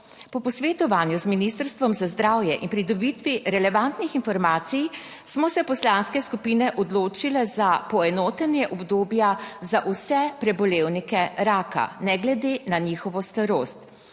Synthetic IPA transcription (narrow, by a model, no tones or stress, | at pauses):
pɔpɔsʋet̪ɔʋaːnjuzminist̪əɾst̪ʋɔmzazd̪ɾaːwjɛʔinpɾid̪ɔbit̪ʋiɾɛlɛʋant̪nixinfɔɾmaːt̪sij | smɔsɛpɔslanskɛskupiːnɛʔɔd̪loːt͡ʃilɛzapɔɛnoːt̪ɛnjɛʔɔbd̪oːbjazaʔusɛpɾɛbɔleːwnikɛɾaːka̰nɛɡlɛd̪eːnaniːxɔʋɔst̪aɾoːst̪